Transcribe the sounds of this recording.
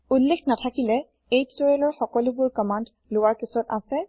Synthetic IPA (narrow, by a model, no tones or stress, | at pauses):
ullːeknatʰakilɛ | ejttɔjɛlɔɹxɔkɔlʊbʊɹkɔmand | lowaɹkisɔtasɛ